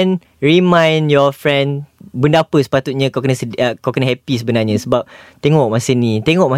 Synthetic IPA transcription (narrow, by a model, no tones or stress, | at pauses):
n | ɹimãjnjɔfɾɛ̃nbəndapəsə̥pat̪ut̪̚ɲãkakənə̃səkakənə̃ɦɛpis̬əbənaɲãsəbap̚t̪eŋɔk̚mãsənĩt̪eŋɔʔ̚mã